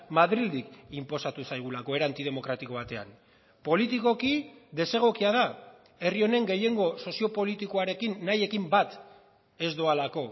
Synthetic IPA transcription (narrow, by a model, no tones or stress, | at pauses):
maðɾild̪ikimpo̞sat̪usajɣ̞ulako̞e̞ɾant̪ið̞e̞mo̞kɾat̪iko̞β̞at̪e̞a̰n | po̞lit̪iko̞kiðe̞se̞ɣ̞o̞kiað̞a | e̞rio̞ne̞ŋɡe̞je̞ŋɡo̞so̞sio̞po̞lit̪iko̞aɾe̞kinːaje̞kimbat̪ | e̞zd̪o̞alako̞